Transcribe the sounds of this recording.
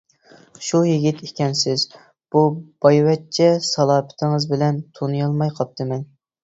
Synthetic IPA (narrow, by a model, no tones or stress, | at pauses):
ʃujiɡʲit̪ʰekʲɛnsɪz | b̥ub̥ɑjwɛt̚t͡ʃʰɛsɑlˠɑːmɪ̥t̪ʰɪŋəzbɪlɛnt̪ʰonɨjɑlˠmɑjqʰɑp̚t̪ʰɨmɛn